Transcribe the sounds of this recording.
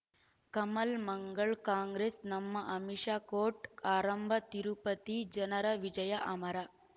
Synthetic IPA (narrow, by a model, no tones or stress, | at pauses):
kɐmɐlmɐŋɡɐɭkaːŋɡɾeːsnɐmːɐʔɐmiʂaːkoːʈaːɾɐmbʱɐt̪iɾupɐt̪id͡ʒɐnɐɾɐʋid͡ʒɐjɐʔɐmɐɾɐ